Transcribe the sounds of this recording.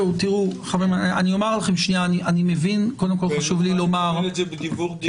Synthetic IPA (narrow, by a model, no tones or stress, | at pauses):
utiʁuχavemaaniomaʁlaχemʃnianiʔanimevinkodemko̞lχaʃuvlilo̞maʁebd̪ibuʁd